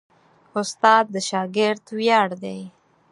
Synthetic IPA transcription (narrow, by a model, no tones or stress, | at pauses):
ʊst̪ɑd̪̚ːəʃɑɡɪɾd̪wjɑɽd̪aj